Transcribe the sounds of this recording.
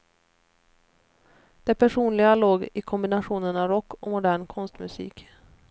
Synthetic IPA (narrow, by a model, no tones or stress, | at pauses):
d̪̥ɛpʰæʂuːnlɪɡaloːɡɪkʰɔmbɪnaɧuːnənavɾɔkːɔmʊd̪æːɳkʰɔnst̪mɵsḭːk